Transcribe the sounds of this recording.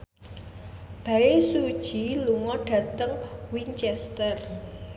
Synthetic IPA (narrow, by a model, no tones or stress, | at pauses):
b̥ä̤esud̥ʒ̥i̤luŋɔɖ̥ä̤t̪əŋwiɲt͡ʃɛst̪ər